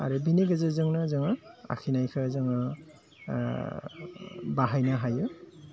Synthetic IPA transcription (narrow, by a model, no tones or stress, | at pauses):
a̰ɾɯbiniɡɯzɯzɯŋnazɯŋaa̰kʰinajkʰɯzɯŋa | baɦajnaɦajɯ